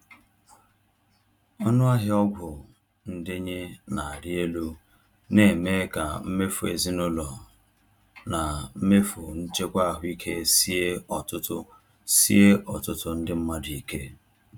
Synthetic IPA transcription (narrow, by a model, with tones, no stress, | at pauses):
ɔ˦nʊ˦a˦ɦɪ˦ɔ˦ɡʷʊ˨ | n̩˦dɪ˦ɲe˦na˨a˨ɾɪ˦e˦lu˦ | ne˨me˦ka˨m̩˦me˦fu˨ḛ˨zɪ˦nʊ˦lɔ˨ | na˨m̩˦me˦fu˨n̩˦t͡ʃe˦kʷa˦a˦˨ɦʊ˦i˦kʰe˦si˦e˦ɔ˨tʊ˦tʊ˦ | si˦e˦ʔɔ˨tʊ˦tʊ˨n̩˦dɪ˦m̩˦ma˦di˨ke˦